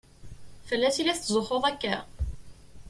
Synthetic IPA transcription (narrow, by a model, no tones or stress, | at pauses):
fəlːæθilæθzˤoχoðˤækːæ